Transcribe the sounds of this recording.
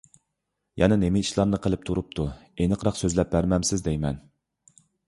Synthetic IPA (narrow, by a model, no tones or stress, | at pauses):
jʔɛnɛnemɪiʃlˠɑɾnɨqʰəlˠɪp̚t̪ʰuɾup̚t̪ʰuenɨqʰɾɑqsøzlɛp̚bæɾmɛmsɪzd̪ɛjmɛn